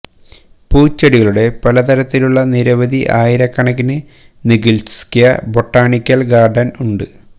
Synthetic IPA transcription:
puːt͡ɕːɐɽiɣɐɭuɽe̞pɐlɐt̪ɐɾɐt̪ːiluɭːɐniɾɐʋɐd̪ʱiʔaːjiɾɐkːɐɳɐkːinɨ | niɡilskijɐbo̞ʈːaːɳikʲːɐlɡaːrɖɐnuɳɖɨ

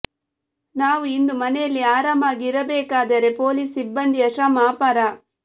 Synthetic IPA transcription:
naːʋuind̪umɐnɛjɐlːiaːɾaːmaːɡiːɾɐbɛːkaːd̪ɐɾe̞poːliːsibːɐnd̪iɐʃɾɐmaːpɐɾa

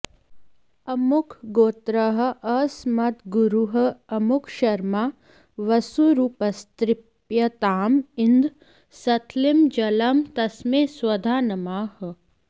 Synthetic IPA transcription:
ɐmʊkʰɡoːt̪ɾɐɦɐ̆ʔɐsmɐt̪ɡuɾuɦə̆ɐmukʰʃɐɾmaː | ʋɐsuɾuːpɐst̪ɾɪppjɐt̪aːmind̪ | sɐt̪ʰlimd͡ʒɐlɐmt̪ɐsmẽswɐd̪ʱaːnɐmaːhə

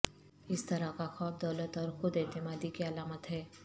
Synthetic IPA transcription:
ɪst̪ɐɾakaxaːb̚d̪ɐːlət̪ɔːɾxʊd̪et̪ɪmaːd̪ikiɐlaːmət̪ɦɛː

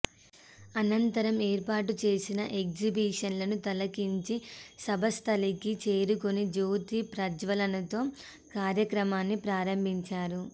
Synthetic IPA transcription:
ɐnɐnt̪ɐɾɐmeːɾpaːʈut͡ʃe̞ːsinɐʔekd͡ʒibiːʂɐnlɐnut̪ɐlɐkiɲt͡ʃisɐbʱɐst̪ʰɐlikit͡ʃe̞ːɾukonid͡ʒoːt̪ipɾɐd͡ʒʋɐlɐnɐt̪o̞ː | kaːɾjɐkɾɐmaːnːipɾaːɾɐmbʱiɲt͡ʃaːɾu

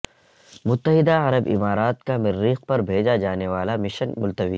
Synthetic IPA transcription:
mʊt̪ːəɦɪd̪aɐɾəbɪ̰maːɾaːt̪kamɪɾːiːq̚pɐɾbʱeːd͡ʒad͡ʒaːneʋaːlamɪʃənmʊlt̪əʋḭː

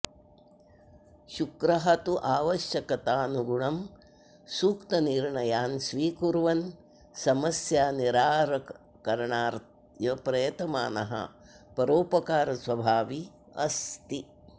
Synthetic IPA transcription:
ʃukɾɐɦɐt̪uʔaːʋɐʃjɐkɐt̪aːnuɡuɳɐm | suːkt̪ɐniɾɳɐjaːnsʋiːkuɾʋɐn | sɐmɐsjaːniɾaːɾɐ | kɐɾɳaːɾt̪̚ | jɐpɾɐjɐt̪ɐma̰ːnɐ̰ɦɐ̰ | pɐɾoːpɐkaːɾɐsʋɐbʱaːʋi | ɐ̰st̪i

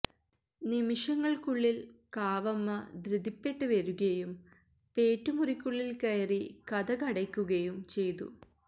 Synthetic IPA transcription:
nimiʂɐŋːɐɭkuɭːilkaːʋɐmːɐd̪ɾɨd̪ipːe̞ʈːɨʋɐɾuɣɐjum | peːtːumurikʲːuɭːilkɐjɐrikɐd̪ɐkɐɽɐkʲːuɣɐjumt͡ɕe̞jt̪ṵ

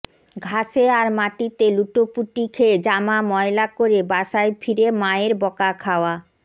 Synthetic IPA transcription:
ɡʱaʃeaɾmaʈit̪eluʈopuʈikʰed͡ʑamamɔelakoɾebaʃaefʰiɾemaeɾbɔkakʰaoa

